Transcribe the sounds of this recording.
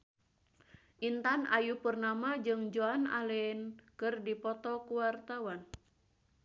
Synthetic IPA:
ʔint̪anajupurnamad͡ʒɨŋd͡ʒoana̰lɛnkɨrdipɔt̪ɔkuwart̪awan

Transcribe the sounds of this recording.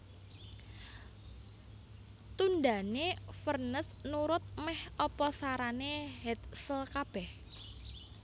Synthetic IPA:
t̪und̪a̤nefərnəsnuɾʊt̪̚mɛhɔpɔsaɾaneɦɛt̪̚səlkab̥ɛh

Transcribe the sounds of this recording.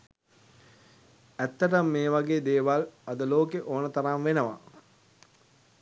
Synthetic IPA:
æt̪ːɐʈəmːeːʋaɡeːd̪eːʋalɐd̪əloːkeʔoːnət̪ɐɾamʋenəʋa̰

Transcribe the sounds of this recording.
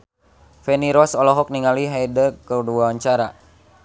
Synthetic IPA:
fɛniɾɔsɔlɔɦɔk̚niŋaliɦajdəkəduaaɲt͡ʃaɾa

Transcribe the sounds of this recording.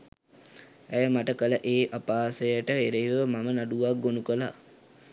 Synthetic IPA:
æjəmaʈəkələʔeːʔapaːsəjəʈəʋeɾeʋəmamənaɖuʋak̚ɡonukəla̰

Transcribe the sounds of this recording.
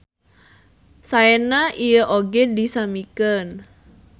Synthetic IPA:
saɛnaʔijəʔoɡedisamikən

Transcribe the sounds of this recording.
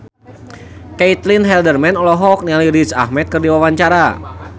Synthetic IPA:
kɛit̪linɦɛldərmɛnɔlɔɦɔk̚nialiɾit͡ʃahmɛt̪̚kɨrdiwawaɲt͡ʃaɾa

